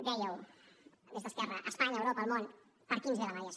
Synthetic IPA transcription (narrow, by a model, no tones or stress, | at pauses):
d̪ɛjəw | ðezðəskɛrəʔəspaɲəːwɾopəːlˠmon | pəɾkinzðələmaɾias